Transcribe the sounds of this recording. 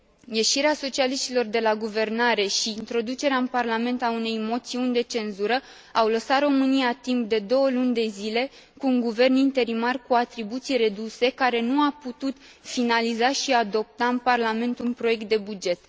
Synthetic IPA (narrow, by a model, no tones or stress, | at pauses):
je̞ʃiɾeaso̞t͡ʃialiʃt̪ilo̞rd̪e̞laɡuve̞rnaɾe̞ʃiːnt̪ɾo̞d̪ut͡ʃe̞ɾeaɨnparlame̞nt̪aune̞jmo̞t̪siunʲd̪e̞t͡ʃe̞nzuɾə | awləsat̪ro̞mɨnijat̪imp̚d̪e̞d̪o̞wəlunʲd̪e̞zile̞ | kuːŋɡuve̞rnint̪e̞ɾimarkuat̪ɾibut̪sijre̞d̪use̞kaɾe̞nuaput̪ut̪finalizaʃiad̪o̞p̚t̪aɨnparlame̞nt̪unpɾo̞je̞k̚t̪̚d̪e̞bud͡ʒe̞t̪